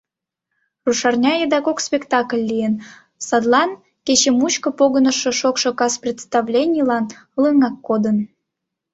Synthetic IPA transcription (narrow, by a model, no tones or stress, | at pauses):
ruʃɑrnʲɑjed̪ɑkokspʲekt̪ɑklʲːijen | sɑd̪lˠɑn | kʲet͡ɕemut͡ɕkə̆poɣənə̆ʃŏʃokʃŏkɑsprʲet̪st̪ɑvlʲenʲijlɑn | lɯŋɑkːod̪ən